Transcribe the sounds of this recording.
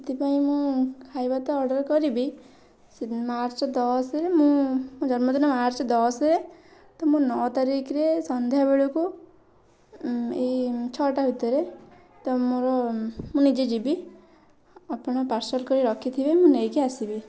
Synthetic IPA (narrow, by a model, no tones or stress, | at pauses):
it̪ipaĩmũkʰajbat̪ɔɔɾɖɔɾkɔɾibi | maɾt͡ʃɔd̪ɔsɾemũmũd͡ʒɔɾmɔd̪ɔnɔmaɾt͡ʃɔd̪ɔsɾe | t̪ɔmũnɔt̪aɾikɾesɔnd̪ʱjabeɭuku | et͡ʃʰɔʈaɦut̪ɔɾe | t̪ɔmoɾɔmũnid͡ʒed͡ʒibi | apɔɽ̃ɔpaɾsɔlkɔɾiɾɔkʰit̪ʰibemũnejkiasibi